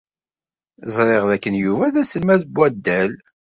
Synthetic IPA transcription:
zˤɾˤeʁðækːənjuvæðæsəlmæðəbʷːæd̪ːæl

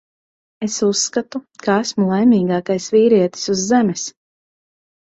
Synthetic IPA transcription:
esusːkat̪ukaæsmulˠajmʲiːɡaːkajsviːɾiɛt̪i̥suzːemɛs

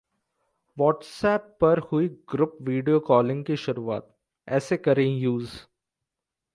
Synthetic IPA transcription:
ʋɔːʈsɛːpːɐɾhʊiɡɾʊpʋiːɖijokɔːlɪ̃ŋɡkiʃʊɾuːa̰ːt̪̚ | ɛːsekɐɾẽjuːz

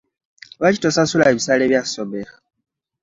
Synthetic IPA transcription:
βacitosasulaeβisaːleːβjasoβexa

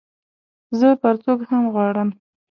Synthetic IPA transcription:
zəpəɾt͡soɡhamɣwɑɽəm

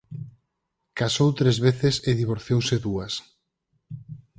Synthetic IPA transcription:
kasowt̪ɾezβeθɪseðiβ̞oɾθjowseðuɐs

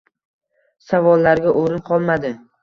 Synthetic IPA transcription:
savɒlˠːaɾɡʲaʔoɾɪnqʰɒlˠmad̪ɪ

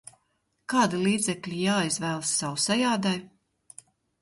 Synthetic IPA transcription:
kaːd̪ilˠiːd̪zɛklʲijaːizvɛːlˠsːawsajaːd̪aj

